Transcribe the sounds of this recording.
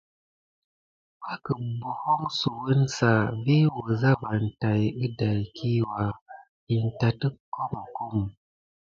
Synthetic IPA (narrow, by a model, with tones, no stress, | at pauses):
ha˦kə˨bu˨ho˦ŋsu˨wə˦nsa˨vi˦wə˨za˦va˨n˨ta˨jɨ˦da˨jkʰi˦wa˨ | i˨n˨ta˨tɨ˦kːo˦ma˨ku˦m˨